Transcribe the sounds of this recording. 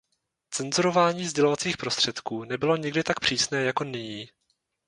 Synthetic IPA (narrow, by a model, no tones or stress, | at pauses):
t͡sɛnzuɾo̞vaːɲiːzɟɛlo̞vat͡siːxpɾo̞st̪r̥ɛt̪kuːnɛbɪlo̞ɲɪɡdɪt̪ak̚pr̝̥iːsnɛːjako̞nɪɲiː